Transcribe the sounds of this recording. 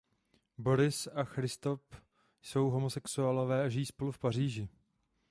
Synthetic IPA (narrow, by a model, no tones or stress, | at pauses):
bo̞ɾɪsaxɾɪst̪o̞f | so̞wɦo̞mosɛksualo̞vɛːaʒɪjiːspo̞lufpar̝iːʒɪ